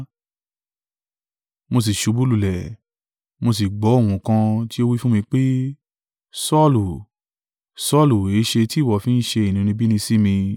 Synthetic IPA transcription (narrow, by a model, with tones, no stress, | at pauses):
mo˧s̬i˨ʃu˨˧˦bu˦lu˨lɛ˨ | mo˧s̬i˨ɡ͡bɔ˨˦o˦˨w̃ũ˨kã˧ti˦o˦wi˦fũ˦mĩ˧k͡pe˦ | sɔ˦lu˨ | sɔ˦˨lu˨e˨˦ʃe˧ti˦˨wɔ˨fĩ˦n̩˦ʃe˧i˨nĩ˨˧ñĩ˧bi˦nĩ˧si˦mĩ˧